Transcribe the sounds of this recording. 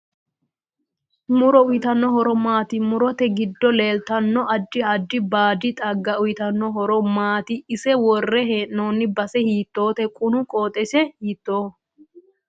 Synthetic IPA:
mʊɾɔʊjɪt̪ɐnːɔɦɔɾɔmaːt̪ɪmʊɾɔt̪ɛɡɪd̪ːɔle̞ːlt̪ɐnːɔʔɐd̪ːɪɐd̪ːɪbaːd̪ɪt̪ʼɐɡːɐʊjɪt̪ɐnːɔɦɔɾɔmaːt̪ɪɪsɛwɔrːɛɦeːʔno̞ːnːɪbɐsɛhiːt̪ːo̞ːt̪ɛkʼʊnʊkʼoːt̪ʼɛsɛhiːt̪ːoː

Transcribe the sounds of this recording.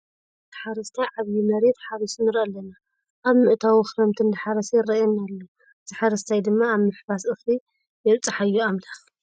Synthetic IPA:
t̪ɨħaɾɐst̪ʰajʕaβjimɐɾet̪ħaɾɐsnɨɾʔɐlːɐna | ʔaβmɨʔt̪ʰawixɾɐmt̪ʰɨnd̪ɨħaɾɐsɐjɪrɐɛnːalːo | zɨħaɾɨst̪ʰajd̪ɨmːaːβmɨħbasɨxli | jɛβt͡sʼħajːuamlax

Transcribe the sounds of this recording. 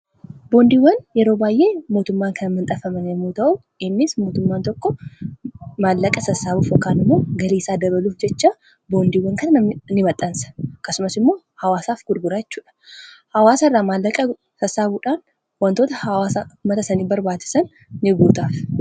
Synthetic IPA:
bo̞ːnd̪iːwːɐnjɛɾo̞ːbaːjʔe̞ːmo̞ːt̪ʊmːaːŋkɐnɐmːɐnt̪ʼɐfɐmɐnɪmːoːt̪ɐʔʊ | ɪnːɪsmo̞ːt̪ʊmːaːnt̪ɔkːɔ | maːlːɐkʼɐsɐsaːbuːfɔkːaːnɪmːoːɡɐliːsaːd̪ɐβɐluːfd͡ʒɛt͡ʃːaː | bo̞ːnd̪iːwːɐŋkɐnɐnnɪmɐt̪ʼːɐnsɐ̥kɐsʊmɐsɪmːo̞ː | hɐwaːsaːfɡʊɾɡʊɾaːjɛt͡ʃːuːᶑɐ̥hɐwaːsɐɪrːaːmaːlːɐkʼɐ | t̪ɐsaːbuːᶑaːn | wɐnt̪o̞ːt̪ɐhɐwaːsɐʊmːɐt̪ɐsɐniːbɐɾbaːt͡ʃːɪ̥sɐnː | ɪɡuːt̪aːf

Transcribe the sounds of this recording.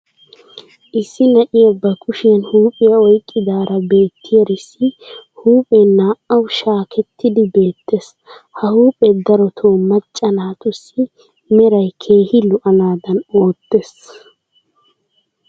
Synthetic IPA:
ʔɪsːɪnɐʔɪjɐbːɐkʰʼʊʃɪjɐnhuːpʼːɪjɐɔjkʼːɪd̪aːɾɐbe̞ːt̪ʰːɪjɐɾɪsːɪhuːpʼɛnaːʔɐwʃaːkʰɛt̪ːɪd̪ɪbe̞ːt̪ːes | hɐhuːpʼɛd̪ɐɾɔt̪ʰoːmɐt͡ʃʼːɐnaːt̪ʊsːɪ | mɛɾɐjkʰe̞ːhɪlʊʔɐnaːd̪ɐno̞ːt̪ːes

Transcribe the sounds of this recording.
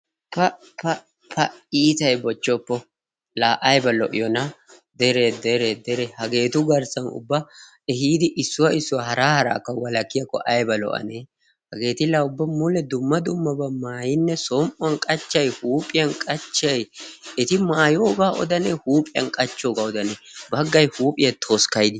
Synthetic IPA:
pɐ | pɐ | pʰɐiːt̪ɐjbɔt͡ʃːɔpːɔ | laːʔɐjbɐlɔʔɪ̰jɔnɐ | d̪ɛɾed̪ɛɾed̪ɛɾɛhɐɡe̞ːt̪ʊɡɐɾsɐnʊ̰bːɐ | ɛɦiːd̪ɪʔɪsːʊwɐɪsːʊwɐhɐɾaːhɐɾa̰ːkːɐwɐlɐkːɪjɐkːɔ̰ʔɐjbɐlɔ̰ʔɐ̰neː | hɐɡe̞ːt̪ɪlaːʊbːɐmʊlɛd̪ʊmːɐd̪ʊmːɐbɐmaːjɪnːɛsɔmʔʊɐnkʼɐt͡ʃːɐjhuːpʼɪjɐnkʼɐt͡ʃːɐjɛt̪ɪmaːjoːɡaːʔɔ̰d̪ɐnɛhuːpʼɪjɐ̰nkʼɐt͡ʃːoːɡaːɔd̪ɐnebɐɡːɐjhuːpʼɪjɐt̪ʰoːskɐjd̪ɪ

